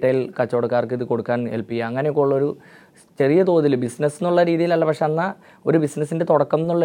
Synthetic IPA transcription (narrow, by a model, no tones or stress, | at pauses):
ʈːɐjilkɐt͡ɕːo̞ɽukːaːrkɨiðɨko̞ɽukːaːnelpiɡʲːɐɐŋːɐnejokːoɭːo̞ɾu | t͡ɕe̞rijɐt̪o̞ːðilbisnɐsːinːuɭːɐɾiːðijilɐlːɐpɐkʂe̞ɐnːɐ | o̞ɾubisnɐsːinde̞t̪oɔɽɐkːɐmenːuɭːɐ